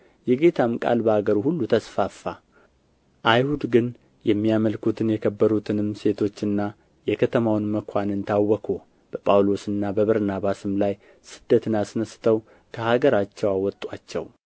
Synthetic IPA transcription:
jɛɡe̞t̪ʰamkʼa̰lbəhaɡəɾuhulːut̪ʰəsfafːa | ʔajhud̪ɡɨn | jɛmːijaməlkut̪ʰɨnjɛkʰəbːəɾut̪ʰɨnɨmse̞t̪ʰo̞t͡ʃːɨnːa | jɛkʰət̪ʰəmawnməkʷʰanɨnt̪ʰawːɔkʰo | b̥əpʼawlo̞sɨnːabəβəɾnaβasɨmlaj | sɨd̪ːət̪ʰɨnasnəst̪ʰəw | kʰəhaɡəɾat͡ʃːɛwawɔt̪ʼwat͡ʃːɛ̰w

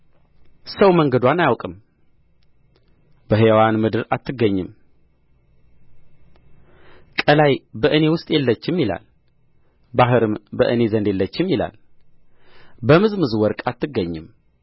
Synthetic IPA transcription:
səwməŋɡəd̪wanajawkʼɨm | b̥əɦewanmɨd̪ɨɾat̪ʰːɨɡːəɲːɨm | kʼəlajbəʔɨne̞wʊst̪ʼjɛlːət͡ʃːɪmjila̰l | baɦɨɾɨmbəʔɨne̞zənd̪jelːət͡ʃːɪmjila̰l | bəmɨzmɨzwɔɾkʼat̪ʰːɨɡːəɲːɨm

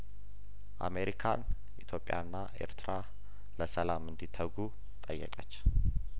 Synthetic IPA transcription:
ʔa̰me̞ɾikʰan | ʔit̪ʰjo̞pʼːja̰nːaʔe̞̰ɾt̪ʰɾa | ləsəlamɨnd̪it̪ʰəɡu | t̪ʼəjːə̰kʼət͡ʃː

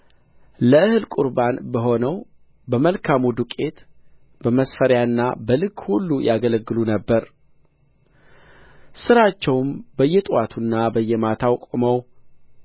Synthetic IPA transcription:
ləʔɨhɨlkʼuɾbanbəɦo̞nəw | bəməlkʰamud̪ukʼe̞t̪ | b̥əməsfəɾjaɨnːabəlɨɡhulːujaɡələɡːɨlunəbːəɾ | sɨɾat͡ʃːɛwmbəjːɛt̪ʼwat̪ʰunːabəjːɛmat̪ʰawkʼoməw

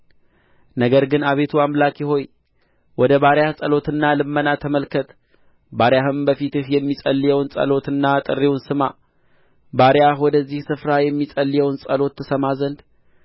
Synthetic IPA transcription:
nəɡəɾɡɨnaβe̞t̪ʰuamlakjɪɦo̞j | wɔd̪əβaɾjahsʼəlo̞t̪ɨnːalɨmːənat̪ʰəməlkʰət̪ | baɾjahɨmbəfit̪ɨhjɛmːisʼəlːijɛwnsʼə̰lo̞t̪ɨnːat̪ʼɨrːiwnsɨma | baɾjahwɔd̪əzːihsɨfɾajɛmːisʼəlːijɛwnsʼəlo̞t̪ːɨsəmazənd̪

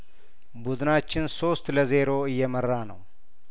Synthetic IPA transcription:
bʊd̪ɨnat͡ʃːɪnso̞st̪ləze̞ɾo̞ɨjːɛmərːanə̰w

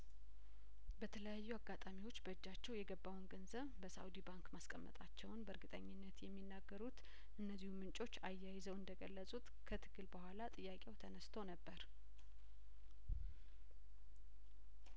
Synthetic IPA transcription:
bət̪ʰələjajːuaɡat̪ʼamiwo̞t͡ʃːbəɨd͡ʒːat͡ʃːɛwjɛɡəbːawunɡənzəβbəsa̰wd̪ibaŋkmaskʼəmːə̰t̪ʼat͡ʃːɛwnbəɾɡɨt̪ʼəɲːɪnːət̪jɛmːinːaɡːəɾut̪ | ʔɨnːəzːihumɨnt͡ʃʼo̞t͡ʃːajːajɪzəwɨnd̪əɡəlːəsʼut̪kʰət̪ʰɨ̥ɡ̥ɨlbəhʷalat̪ʼɨjːakʼewt̪ʰənəst̪ʰonəbːəɾ

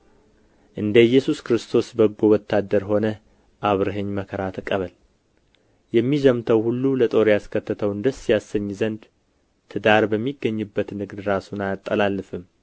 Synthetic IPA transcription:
ʔɨnd̪əjːɛsuskɾɨst̪ʰo̞sbəɡːowɔt̪ʰːad̪əɾho̞nə | ʔaβɾɨɦəɲːməkʰəɾat̪ʰɨkʼəβəl | jɛmːizəmt̪ʰəwhulːulət̪ʼo̞ɾjaskʰət̪ʰːɨt̪ʰəwɨnd̪əsjasːəɲːzənd̪ | t̪ʰɨd̪aɾbəmːiɡːəɲːɨbːət̪nɨɡd̪ɾasunajat̪ʼːəlalːɨfɨm

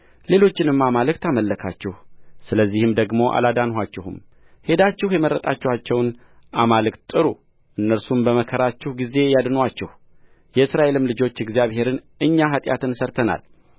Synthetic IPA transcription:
le̞lo̞t͡ʃːɪnɨmːamalɨk̚t̪ʰaməlːəkʰa̰t͡ʃːɛhsɨləzːihɨmd̪əɡmo̞ʔa̰lad̪anhat͡ʃːɛhṵm | he̞d̪at͡ʃːɪhjɛməɾːət̪ʼat͡ʃːɛhat͡ʃːɛwn | ʔamalɨkt̪ʼːɨɾu | ʔɨnːəɾsumbəməkʰəɾat͡ʃːɛhɡize̞jad̪nwat͡ʃːɛh | jɛɨsɾaʔe̞lɨmlɨd͡ʒo̞t͡ʃːɪɡzijaβhe̞ɾɨn | ɨɲːaɦat̪ʼja̰t̪ʰɨnsəɾt̪ʰəna̰l

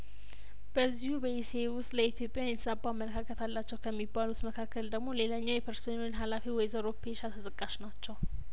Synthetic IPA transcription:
b̥əzːihubəjesewʊst̪ʼləit̪ʰijo̞pʼjanjɛt̪ʰəsabʼːaamːələkʰakʰət̪ʰalːat͡ʃːɛwkʰəmːibːalut̪məkʰakːəld̪əɡmo̞le̞laɲːawjɛpʰəɾsonoɲɦalafiwɔjzəɾopʰeʃat̪ʰət̪ʼɨkʼːaʃnat͡ʃːɛw

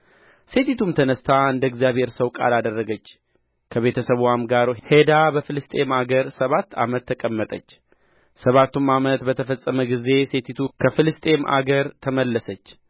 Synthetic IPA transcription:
se̞t̪ʰit̪ʰumt̪ʰənəst̪ʰaɨnd̪əɡzijaβhe̞ɾsəwkʼa̰lad̪ərːəɡət͡ʃː | kʰəβe̞t̪ʰəsəβwamɡaɾuhed̪abəfɨlɨst̪ʼe̞maɡəɾsəβat̪ːa̰mət̪ʰːəkʼəmːət̪ʼət͡ʃː | səβat̪ːumamət̪bət̪ʰəfəsʼːəməɡize̞se̞t̪ʰit̪ʰukʰəfɨlɨst̪ʼe̞mʔa̰ɡəɾt̪ʰəməlːəsət͡ʃː

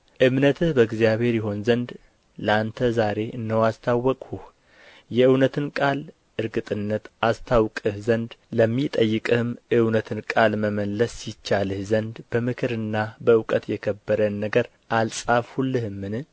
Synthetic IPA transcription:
ʔɨmnət̪ʰɨhbəɡzijaβhe̞ɾjɛɦo̞nzənd̪ | ləant̪ʰəzaɾe̞ʔɨnːəwast̪ʰawːɔkʼhuh | jɛɨwnət̪ʰɨnkʼal | ʔɨɾɡɨt̪ʼɨnːət̪ʔast̪ʰawkʼɨhzənd̪ləmːit̪ʼəjːɨkʼɨhɨmʔɨwnət̪ʰɨnkʼalməməlːəsːɪt͡ʃːalɨhzənd̪bəmɨkʰɨɾɨnːabəɨwkʼət̪jɛkʰəbːəɾənːəɡəɾ | ʔalsʼafhulːɨhɨmːɨnɨ

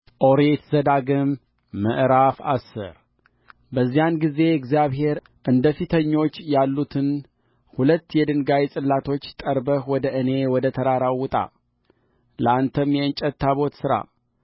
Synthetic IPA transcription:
ʔo̞ɾet̪zəd̪aɡɨmː | ə̰ʔɾafa̰sːɨ̰ɾ | bəzːijanɡize̞ɪɡzijaβɦe̞ɾ | ʔɨnd̪əfit̪ʰəɲːo̞t͡ʃːjalːut̪ʰɨn | hulət̪ːjɛd̪ɨŋɡajsʼɨlːat̪ʰo̞t͡ʃːt̪ʼəɾbəhwɔd̪əʔɨne̞wɔd̪ət̪ʰəɾaɾawːʊt̪ʼa̰ | ləant̪ʰəmːjɛɨnt͡ʃʼət̪ːaβo̞t̪sɨɾa̰

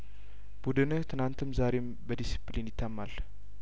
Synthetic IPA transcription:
b̥ud̪ɨnɨt̪ʰɨnant̪ʰɨmzaɾe̞m | bəd̪isi̥plinjɪt̪ʰːamːal

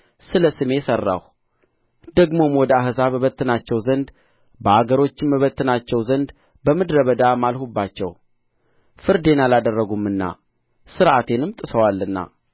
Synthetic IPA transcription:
sɨləsɨme̞sərːa̰h | d̪̥əɡmo̞mwɔd̪əahɨzaβəβət̪ːɨnat͡ʃːɛwzənd̪ | bəaɡəɾo̞t͡ʃːɪmbəβət̪ʰːɨnat͡ʃːɛwzənd̪ | bəmɨd̪ɾəβəd̪amalhubːat͡ʃːɛ̰w | fɨɾd̪e̞nalad̪ərːəɡumːɨnːa̰ | sɨɾʔat̪ʰe̞nɨmt̪ʼɨsəwalːɨnːa̰

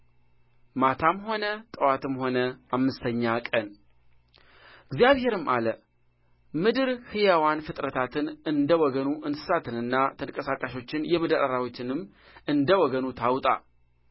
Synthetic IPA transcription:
mat̪ʰamho̞nət̪ʼəwat̪ɨmho̞nəamːɨst̪ʰəɲːakʼən | ɨɡzijaβhe̞ɾɨmʔalə | mɨd̪ɨɾhɨjawanfɨt̪ʼɾət̪ʰat̪ʰɨnɨnd̪əwɔɡənuʔɨnsɨ̥sat̪ʰɨnɨnːat̪ʰəŋkʼəsakʼaʃo̞t͡ʃːɪnjɛmɨd̪aɾʔaɾawot͡ʃːɪnɨmː | ɨnd̪əwɔɡənut̪ʰawt̪ʼa̰

